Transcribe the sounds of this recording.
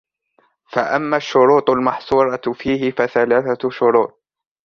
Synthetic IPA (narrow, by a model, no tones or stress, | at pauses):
faʔamːaːʃːʊɾuːt̪ˤʊlmɑħsˤuːɾˤɑfiːhɪfaθalaːθaʃʊɾuːt̪̚ˤ